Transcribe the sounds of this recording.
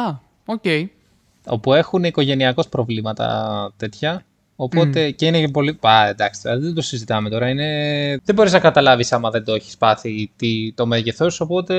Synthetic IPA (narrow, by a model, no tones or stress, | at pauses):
ɐ | ocei | o̞pue̞xuniko̞ʝe̞niɐko̞spɾo̞vlimɐt̪ɐ̰t̪e̞t̪çɐ | opo̞t̪e̞ceineepo̞lipɐend̪ɐkst̪ɐd̪od̪d̪osizit̪ɐme̞t̪o̞ɾɐine̞ðebo̞ɾiznɐkɐt̪ɐlɐvisɐmɐðe̞nd̪oeçi̥spɐθit̪it̪o̞meʝeθoso̞po̞t̪e̞